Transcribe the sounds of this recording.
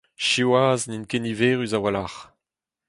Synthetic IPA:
ʃiwaːzninkeniveːʁyzawalaχ

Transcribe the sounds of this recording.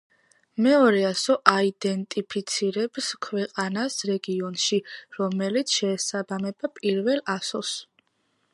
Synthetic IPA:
mɛɔɾɛasɔʔaid̪ɛnt̪ʼipʰit̪sʰiɾɛbskʰwɛqʼanasɾɛɡiɔnʃiɾɔmɛlit̪sʰʃɛːsabamɛbapʼiɾvɛlasɔs

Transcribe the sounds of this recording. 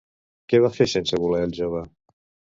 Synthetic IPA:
kɛβafesensəβulɛəlˠʒoβə

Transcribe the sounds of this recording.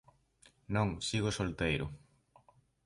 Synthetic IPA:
nõŋsiɣosolt̪ejɾʊ̰

